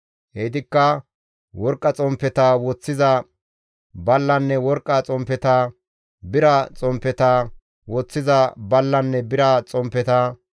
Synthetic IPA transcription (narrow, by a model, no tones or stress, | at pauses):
hɛd̪ɪkːɐ | wɔɾkʼːɐt͡sʼɔmpːɛt̪ɐwɔt͡sːɪzɐ | bɐlːɐnːɛwɔɾkʼːɐt͡sʼɔmpːɛt̪aː | bɪɾɐt͡sʼɔmpːɛt̪ɐ | wɔt͡sːɪzɐbɐlːɐnːɛbɪɾɐt͡sʼɔmpːɛt̪ɐ